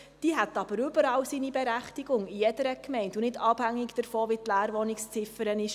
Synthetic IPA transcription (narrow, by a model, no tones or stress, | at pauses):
d̥iːɦæt̪ɑb̥əɾʏbəɾɑːwsinibɛɾæχtiɡ̥ʊŋijɛdəɾəkmɛɪntunɪdɑb̥hæŋːɪɡd̥əɾfɔːʋitlæːɾʋɔnɪkst͡sɪfəɾənɪʃ